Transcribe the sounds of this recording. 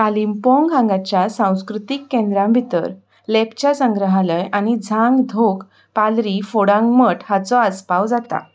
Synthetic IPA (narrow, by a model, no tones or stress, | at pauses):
alimpɔ̃ŋɡʱãŋɡat͡ɕjasãw̃skɾut̪ikːẽnd̪ɾãmbʱit̪ə̰ɾ | lɛpt͡ɕjasəŋɡɾəɦaləjañid͡zʱãŋɡd̪ʱok | palɾifoɽãŋɡməʈhat͡sɔəspawd͡zat̪a̰